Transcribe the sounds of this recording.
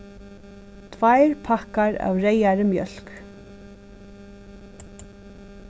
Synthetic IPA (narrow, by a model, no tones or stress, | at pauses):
t̪ʰvajɹpʰahkaɹa̰wɾejaɾəmjœ̰l̥k